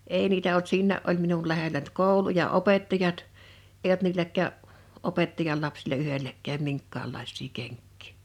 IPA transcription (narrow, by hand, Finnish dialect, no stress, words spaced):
eˑi niːtæ olt siːnːæˑʔ ʔol minul læhelæ ny̆t koˑulu jɑ opetːɑjɑt eˑij olt niːlækˑæːʔ ʔopetːɑjɑl lɑpsilɑ yhelːækˑæːm miŋkːɑːlːɑˑisˑiː keŋkːi̥ː